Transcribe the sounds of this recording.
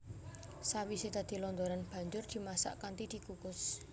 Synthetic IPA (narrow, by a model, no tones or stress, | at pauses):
sawisit̪ad̪̥i̤lɔnd̪oɾanb̥ä̤ɲd͡ʒʊrd̪̥i̤masa̰ʔkant̪id̪̥i̤kukʊs